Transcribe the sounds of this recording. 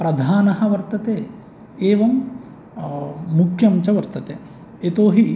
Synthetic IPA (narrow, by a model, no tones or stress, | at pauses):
pɾɐd̪ʱaːnɐɦɐ̆ʋɐɾt̪ɐt̪eː | eːʋɐm | ukʰjɐmt͡ʃɐʋɐɾt̪ɐt̪eː | et̪oːɦi